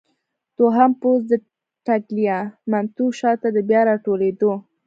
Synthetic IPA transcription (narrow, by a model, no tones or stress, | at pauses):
t̪oɦampozd̪ə | ʈaɡlijamamt̪uʃɑt̪ad̪əbjɑɾɑʈoled̪o